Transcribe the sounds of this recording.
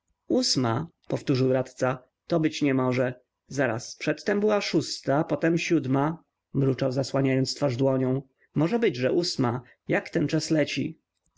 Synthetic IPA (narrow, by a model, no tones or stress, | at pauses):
usmapɔft̪uʐɘwɾat̪t̪sa | t̪ɔbɘt͡ɕɲɛmɔʐɛ | zaɾa̰spʂɛt̪ːɛmbɘwaʂust̪apɔt̪ɛmɕud̪ma | mɾut͡ʂawzaswaɲajɔnt̪st̪faʐd̪wɔɲɔ̃w̃ | mɔʐɛbɘd͡ʑʐɛʔusma | jakt̪ɛnt͡ʂaslɛt͡ɕḭ